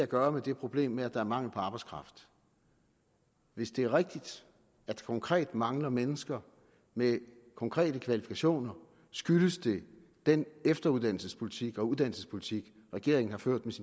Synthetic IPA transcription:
æɡ̥ɶːɐmed̥e̝pʰʁo̝b̥le̝̰ːmːeæ̥ɑ̈æɐmɑ̈ŋ̰l̩pʰɒ̽ɑ̈ːb̥ɑɪskʰʁɑ̈fd̥ | ʋe̝sd̥e̝æɐʁɛɡ̥̚d̥id̥ | æd̥kʰɒ̽ŋkʰʁɛ̰ːd̥mɑ̈ŋlɐmenəsɡ̥ɐ | me | kʰɒ̽ŋkʰʁɛ̰ːd̥əkʰʋælifi̥kʰæɕo̝̰ːnɐ | sɡ̥yləsd̥e̝ | d̥enefd̥ɐuð̞ˠd̥æn̰l̩səspʰo̝lit͡sʰiɡ̥ɒ̽uðˠd̥ænl̩səspʰo̝lit͡sʰiɡ̥ | ʁɛɡ̥e̝ɐe̝ŋn̩hɑ̈føɐ̰d̥mesin

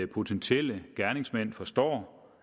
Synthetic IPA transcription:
əpʰo̝t͡sʰenɕʰel̰əɡ̥æɐne̝ŋsmæn̰fɒ̽sd̥ɒ̰ː

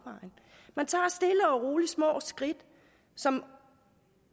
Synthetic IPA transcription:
ʋɑ̈ɪn | mænt͡sʰɑ̰̈ːsd̥e̝ləɒ̽ʁoːlismɔ̰ːsɡ̥ʁid̥ | sɒ̽m

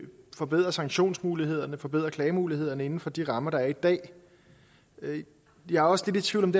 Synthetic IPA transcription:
fɒ̽b̥e̝ð̰ˠʁɐsɑ̈ŋɕo̝̰ːnsmuːlihe̝ð̞̰ˠɐnəfɒ̽b̥e̝ð̰ˠʁɐkʰlɛːɪmuːlihe̝ð̞̰ˠɐnəe̝n̩fɒ̽d̥iʁɑ̈mɐɾ̥ɑ̈æɐid̥ɛ̰ː | d̥iɑ̈ɒ̽sle̝d̥et͡sʰʋiʊlɒ̽md̥e

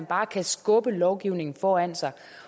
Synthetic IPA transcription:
nb̥ɑ̈ːkʰæsɡ̥ɔ̽b̥əlɒʊɡ̥iʊ̰ne̝ŋn̩fɒːæn̰sɑ̈ɪ

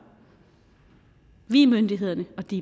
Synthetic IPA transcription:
ʋiːmønd̥iɦe̝ð̞ˠɐnəɒ̽d̥i

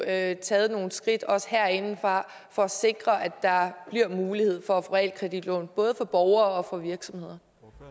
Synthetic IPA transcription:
øt͡sʰɛːð̞̩ˠno̝ːn̩sɡ̥ʁid̥ɒ̽sə̥heɐ̰e̝nn̩fʁɑ̈ | fɒ̽æse̝ɡ̥ʁɐʔæd̥ɑ̈b̥liɐmuːlihe̝ð̞̰ˠfɒ̽foʁɛ̰l̰kʰʁɛd̥id̥lɔ̰ːnb̥ɔ̽ːð̞̩ˠəfɒ̽b̥ɒʊɐːɒ̽fɒ̽ʋiɐɡ̥sɒ̽mhe̝ð̞̰ˠɐ

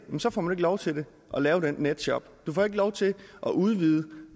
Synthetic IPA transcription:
emsɒ̽fɒ̰mæne̝ɡəlɒʊt͡sʰe̝de̝ | ʔɒlɛːʊɾ̥enːed̥ɕɒ̽b̥d̥ufɒe̝ɡ̥əlɒʊt͡sʰe̝ʔɒʔuð̞ˠʋiːð̞ˠə

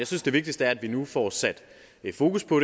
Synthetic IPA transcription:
jɑ̈ɪsynsd̥e̝ʋe̝ɡ̥̚d̥isd̥əæɐæd̥ʋinufɒːsæd̥ | fo̝ːkuspʰɔ̽ɾ

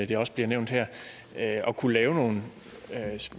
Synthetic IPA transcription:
d̥eɒ̽sb̥liɐneʊnd̥heɐ̰ | øɒ̽kʰulɛːʊno̝ːn̩ | s

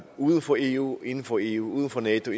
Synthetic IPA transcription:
uːð̞ˠən̩fɒ̽e̝ṵe̝nn̩fɒ̽e̝̰ːṵːuːð̞ˠn̩fɒ̽nɛːt͡sʰo̝

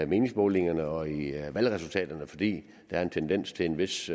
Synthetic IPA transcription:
me̝ːnɪ̝ŋsb̥ɔːle̝ŋɐnəɒ̽iʋælʁɛsult͡sʰɛ̰ːd̥ɐnəfɒ̽d̥ḭː | d̥ææɐe̝nt͡sʰend̥en̰st͡sʰe̝le̝nʋe̝s

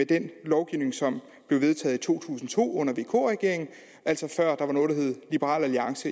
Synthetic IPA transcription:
ed̥enlɒʊɡ̥iʊne̝ŋsɒ̽m | b̥le̝ʊʋe̝ð̞ˠt͡sʰɛ̰ːð̩ˠit͡sʰo̝̰ːt͡sʰṵːsn̩t͡sʰo̝̰ːɔ̽n̰ɐʋe̝̰ːkʰo̰ːʁɛɡ̥e̝ɐeŋn̩ | ʔæl̰sɒ̽fɶɐ̰d̥ɑ̈ʋɑ̈no̽ːðd̥ɐhɦe̝ð̩ˠlib̥əʁɑ̰̈ːlæliɑ̈ŋsə

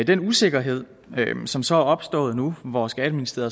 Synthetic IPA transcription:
d̥enuse̝ɡ̥ɐɦe̝ð̞̰ˠ | sɒ̽msɒ̽æɒ̽b̥sd̥ɔ̰̽ːð̩ˠnuʋɒsɡ̥æd̥minisd̥ʁe̝ːð̰ˠɐ

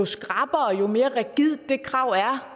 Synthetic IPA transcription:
osɡ̥ʁɑ̈b̥ɐɒjo̝me̝ːɐʁɛɡ̥ið̰ˠdd̥e̝kʰʁɑ̈ʊ̰æɐ

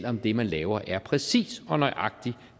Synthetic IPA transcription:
l̰ɒ̽md̥e̝mænlɛːʊɐʔæɐpʰʁɛsḭːsɒ̽nɒɪʔɑ̈ɡ̥̚d̥i

